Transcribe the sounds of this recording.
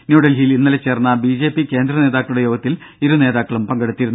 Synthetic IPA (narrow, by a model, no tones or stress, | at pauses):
njuːɽɐlɦilinːɐlet͡ɕːe̞ːrnːɐbid͡ʑe̞ːpːike̞ːnd̪ɾɐne̞ːðaːkːɐɭuɽe̞joːɡɐt̪ːil | iɾune̞ːðaːkːɐɭumpɐŋɡɐɽut̪ːiɾun